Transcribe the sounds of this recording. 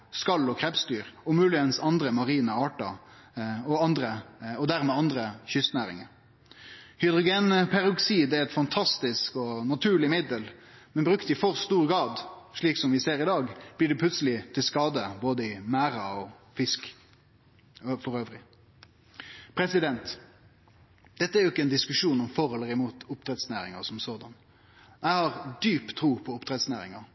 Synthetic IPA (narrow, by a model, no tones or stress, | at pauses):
skɑlːɔkʰɾɛpst̪yːʁɔmʉːlɪənsɑnd̪ɾəmɑʁiːnəɑːʈɑ̰ | ɔɑnd̪ɾəɔd̪æʁmɛːɑnd̪ʁəçʏst̪næːʁɪ̰ŋəɾ | hʏd̪ʁʊɡeːnpʰæɾʉksiːd̪ɛɾɛt̪fɑnt̪ʰɑst̪ɪskɔnɑt̪ʰʉːɭɪmɪd̪əlmɛnbɾʉkt̪ɪfɔʁst̪uːʁɡɑːd̪ʂɭiːksɔmʋɪseːɾɪd̪ɑːɡb̥liɖɛpʰlʉt̪səlɪt̪ʰɪlskɑːd̪əboːd̪əɪmæːɾɑɔfɪsk | fɔɾøːʋɾɪ | pʰɾɛsɪd̪ɛnt̪ | d̪̥ɛt̪ːəæɾjʊɪkːəɛnd̪ɪskʉʂuːnɔmfɔɾhɔlːəɾɪmuːt̪ʊpt̪ʰɾɛt̪snæ̰ːɾɪ̰ŋɑ̰sɔmsoːd̪ɑn | jæɪhɑɾd̪yːpt̪ʰɾuːpʰɔʊpt̪ʰɾɛt̪snæ̰ːɾɪ̰ŋɑ